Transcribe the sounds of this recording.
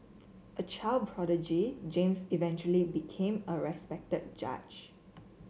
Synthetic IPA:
ʔət͡ʃʰaldpʰɹɔdəd͡ʒid͡ʒẽmsivɛ̃nt͡ʃuəlibikʰẽməɹɛspɛk̚təd̚d͡ʒa̰d͡ʒ

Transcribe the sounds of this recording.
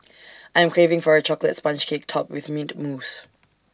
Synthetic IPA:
ʔajɛ̃mkʰɹ̥evɪ̃ŋfɔɹət͡ʃʰɔklə̰tspãnt͡ʃkʰek̚tʰɔpwɪðmĩntmus

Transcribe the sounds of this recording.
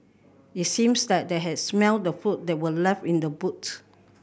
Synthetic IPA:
itsĩmsdɛt̚dɛɦɛdsmɛlddəfut̚dɛt̚wəlɛfĩndəbut

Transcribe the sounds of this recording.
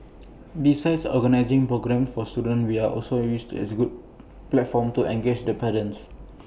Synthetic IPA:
bisaɪdsɔ̰ɡənaɪzĩŋpɹoɡɹɛ̃mfɔstudə̃nwiaʔɔlsojustɛ̰sɡud̚ | plɛtfɔ̃mtuʔɛ̃ŋɡed͡ʒdəpɛdə̃ns

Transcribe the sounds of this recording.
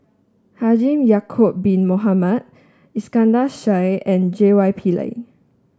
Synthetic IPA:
had͡ʒĩmjakʰop̚bĩnmoɦamad̚ | iskãndaʃajɛ̃nd͡ʒewajpʰila̰ɪ

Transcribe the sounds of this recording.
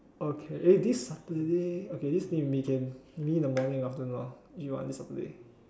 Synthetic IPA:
okʰeʔedisːatədeokedistĩwikʰɛ̃nmidəmɔnĩŋaftənɔuwɔ̰̃ndisapədḛ

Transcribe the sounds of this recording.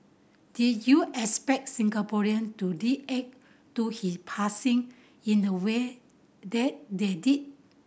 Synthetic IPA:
d̥it̚juʔɛspɛk̚t̚sĩŋɡapɔɹiə̃ntudiɛk̚ | tuhipʰasĩŋ | ĩndəwe | dɛt̚dedit̚

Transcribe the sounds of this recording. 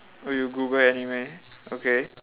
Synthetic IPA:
ojuɡubaanimẽ | oke

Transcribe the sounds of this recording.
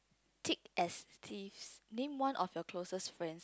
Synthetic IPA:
tʰekɛstʰivsnẽmwãnʔɔfjɔkʰlosəsfɹɛ̃ns

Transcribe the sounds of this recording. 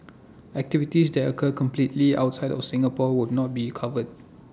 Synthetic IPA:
ɛk̚tivitisdɛtəkʰəkə̃mplitlia̰wt̚saɪdɔfsɪ̃ŋapɔwud̚nɔt̚bikʰavəd̚

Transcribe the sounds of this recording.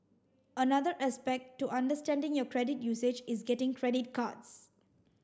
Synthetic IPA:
ənad̪əɹʔɛspɛk̚tːuʔãndəstɛ̃ndɪ̃ŋjɔkɹɛdɪtjuːsed͡ʒɪsɡɛtɪ̃ŋkʰɹɛdɪt̚kʰa̰ts

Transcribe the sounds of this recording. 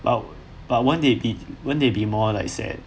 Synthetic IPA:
b̥a̰t̚ | b̥at̚wɛ̃ndebiwɛ̃ndebimɔlaɪksḛ

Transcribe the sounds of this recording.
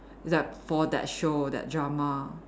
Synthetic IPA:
ɪsdafɔdɛ̰t̚ʃodɛ̰t̚dɹama

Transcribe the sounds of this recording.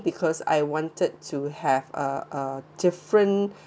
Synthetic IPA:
bikʰɔsa̰jwɔ̃ntəd̚tʰuhɛvəʔədɪfɹə̃n

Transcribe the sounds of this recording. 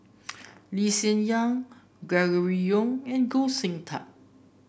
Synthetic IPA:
lisə̃njãŋ | ɡɹɛɡəɹijɔ̃ŋɛ̃nɡolsĩŋtʰa̰

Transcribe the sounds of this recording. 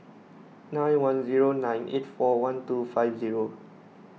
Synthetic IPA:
nãj̃nwãnziɹonãjnʔḛtfɔwãntufaɪfziɹo

